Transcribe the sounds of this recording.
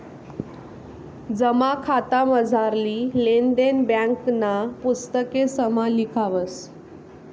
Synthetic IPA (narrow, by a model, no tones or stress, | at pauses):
d͡zəmakʰat̪aməd͡zʱaɾliːlend̪enbjãŋknapust̪əkesəmalikʰaʋəs